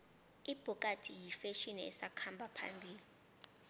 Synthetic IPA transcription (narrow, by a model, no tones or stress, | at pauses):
ib̥ʱukʼatʰijifeʃiniɛ̰sakʰambʱapʰa̰mbʱiːli